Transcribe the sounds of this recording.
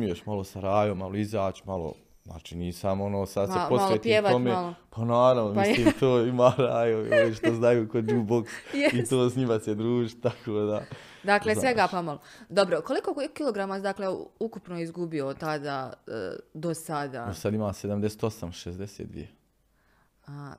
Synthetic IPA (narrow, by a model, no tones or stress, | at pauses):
mijoʃmalo̞saɾaːjomaloizaːt͡ʃmalo̰ | za̰ːt͡ʃiːniːsamonoːsad̪seposʋljot̪pjieʋat̪omelopanaːɾaʋnomisliːt̪oːimaːɾaːjooiʃt̪oznajuːkod͡ʒuːboksjit̪oːsɲimased̪ɾuːʒit̪akʰoːd̪a | d̪aklesʋeɡapamalo | d̪obɾokolikokiloɡɾamad̪akleukupnoizɡubiot̪ad̪aːə̰d̪osad̪a̰ːosad̪imaːsed̪amd̪ese̥ːt̪o̞samʃezd̪eseːt̪̚d̪ʋḭje | a